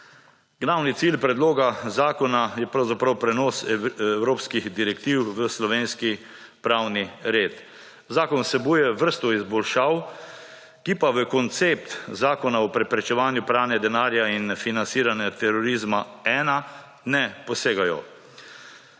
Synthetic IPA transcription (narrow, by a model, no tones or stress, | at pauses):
ɡlawnit̪siːlpɾɛd̪loːɡazaːkɔnajɛpɾawzapɾawpɾɛnɔːsɛwɾoːpskiɣd̪iɾɛkt̪iwʋəslɔʋeːnski | pɾawniɾeːt̪ | zaːkɔnsɛbujɛʋəɾst̪ɔizbɔlʃaw | kipaʋəkɔnt̪seːp̚t̪zaːkɔnaɔpɾɛpɾɛt͡ʃɛʋaːnjʊpɾaːnjɛd̪ɛnaːɾjainfinansiːɾanjɛt̪ɛɾɔɾizmaɛːna | nɛpɔseːɡajɔ̰